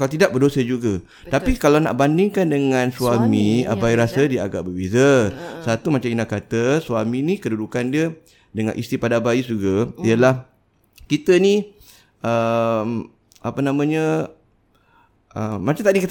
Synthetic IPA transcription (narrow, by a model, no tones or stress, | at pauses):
kalat̪idaʔ̚bərdosəd͡ʒuɡa | t̪apikalawna̰ʔbandɪŋkandəŋãnsuamia̰baiɾasədiaɡa̰ʔbəbizəsat̪umat͡ʃaminakat̪əsuaminikədudukandiə | dəŋa̰nʔḭst̪ipadabaisuɡaiəlah | kit̪əni | ʔəm | ʔapənamãɲə | ʔəmːat͡ʃamt̪aʔdikit̪